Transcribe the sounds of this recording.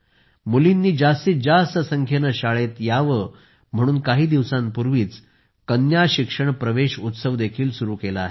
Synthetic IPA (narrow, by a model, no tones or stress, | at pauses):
mulinːiːd͡ʑast̪iːd͡ʑast̪əsəŋkʰjənəɕaɭet̪jaʋə | m̤əɽ̃uːnkaɦiːd̪iʋsãmpuɾʋiːt͡s | kənjaɕikʂəɳpɾəʋeɕut̪səʋd̪ekʰiːlsuɾuːkelaːɦe